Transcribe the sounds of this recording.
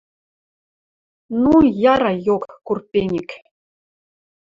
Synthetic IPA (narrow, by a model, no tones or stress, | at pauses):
nujɑɾɑjokːurpʲenʲɘkʲ